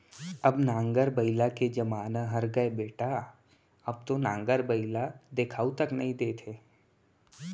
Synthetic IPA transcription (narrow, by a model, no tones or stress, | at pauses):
ɐbnãːŋɡəɾbəɪlaked͡ʒɐmaːnaɦɐɾɡəebeːʈa | ɐb̚t̪onãːŋɡəɾbəɪlad̪eːkʰaːut̪ɐknɐɦĩd̪eːt̪ʰeː